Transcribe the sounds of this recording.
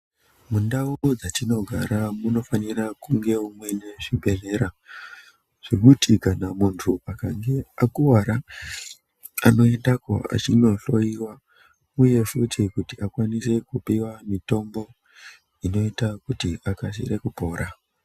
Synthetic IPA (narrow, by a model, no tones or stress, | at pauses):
mundaud͡zatino̞ɡʱaɾamuno̞faniɾakuŋɡe̞umwe̞ne̞ʐibʱe̞ɮe̞ɾa | ʐ̥iɓutikanamuntʰuakaŋɡe̞akuwaɾa | a̰no̞e̞ndako̰a̰t͡ʃino̞ɬo̞jiwa | uje̞ʂutʰikutiakwanise̞kupiwamito̞mbo̞ | ino̞itakutiʔakas̬ḭrekupo̞ːɾa